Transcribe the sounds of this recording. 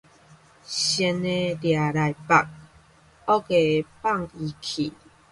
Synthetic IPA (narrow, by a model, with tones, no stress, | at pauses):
ɕɛ˧˦ne˧dja˨ɾa˨jpa˨k̚ | ɔ˦ke˨pa˥˨ŋi˧kʰi˨